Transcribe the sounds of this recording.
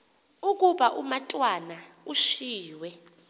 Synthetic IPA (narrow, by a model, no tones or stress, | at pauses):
ukʼuɓaʔumatʼwana | uʃiːwɛ